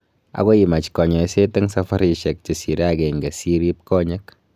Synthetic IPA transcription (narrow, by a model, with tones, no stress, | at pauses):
a̰˨ko˦ji˨ma˨t͡ʃkɔ˨ɲɔ˨i˦se˦te˦ŋsɐ˦fa˦ɾi˨ʃɛ˨k̚t͡ʃe˨si˨ɾa˦ke˨ŋɡe˨si˦ɾi˦p̚kɔ˦ɲɛ˦k